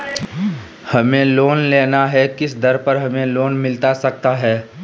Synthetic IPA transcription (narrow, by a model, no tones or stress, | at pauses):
hɐmẽloːnleːnaɦɛkɪsd̪ɐɾpɐɾɦɐmẽloːnmɪlt̪asɐk̚t̪aɦɛː